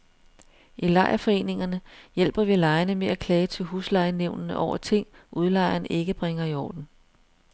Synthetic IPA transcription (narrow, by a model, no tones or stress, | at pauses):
ʔilɑ̈ɪɐfɒ̽e̝̰ːne̝ŋɐnəjel̰b̥ɐʋilɑ̈ɪɐnəmeækʰlɛːt͡sʰe̝lɦuːslɑ̈ɪəneʊnnəʔɒʊ̰ɐt͡sʰe̝ŋ̰ʔuð̞ˠlɑ̈ɪ̰ɐnʔe̝ɡ̥əb̥ʁeŋɐiɒ̰ːd̥n̩